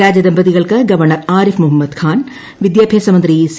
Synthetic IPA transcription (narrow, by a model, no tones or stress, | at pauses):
aːd͡ʒɐd̪ɐmbɐðiɣɐɭkɨɡɐʋɐɾɳɐɾaːɾifmʊɦɐmːɐd̪kʰaːn | ʋɪd̪jaːbʱjeːsɐmɐnd̪ɾijis